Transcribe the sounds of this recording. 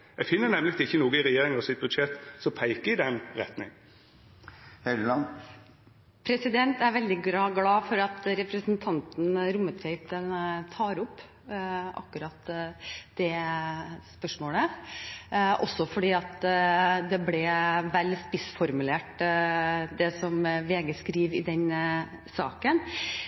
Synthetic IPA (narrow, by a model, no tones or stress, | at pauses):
jɛɡfɪnːənɛmlɪɪçːənuːɡəɪɾɛjeːɾɪŋɑsɪt̪̚bʉd̪ʃɛt̪ːsɔpʰæɪkəɪd̪ɛnɾɛ̰t̪nɪ̰ŋ | hɛlɑ | pʰɾɛsɪd̪ɛnt̪æɾʋɛld̪ɪɡɾɑːɡlɑːfɔɾɑt̪ɾɛpɾəsnt̪ʰɑnt̪n̩ɾʊmːət̪fɛɪt̪ənt̪ʰɑːɾʊpː | ʔɑ̰kːʉɾɑːt̪d̪̥ɛ | spœʂmoːɭə | ʔɔ̰sːɔfɔɖiːɑt̪d̪ɛblɛʋɛlspɪsfɔɾmʉleːʈ | d̪ɛsɔmʋeːɡəskɾiːʋɪd̪ɛn | sɑ̰ːkən